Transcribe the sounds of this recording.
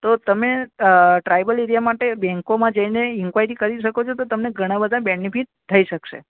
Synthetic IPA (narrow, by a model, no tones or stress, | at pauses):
t̪ot̪əmeʈɾajbəleɾijamaʈebɛ̃ŋkomãd͡ʒəineɪŋkʋaiɾikəɾiʃəkot͡ʃʰot̪ot̪əmneɡʱəɽ̃ãbəd̪ʱãbenipiʈ̚t̪ʰːəiʃəkʃḛ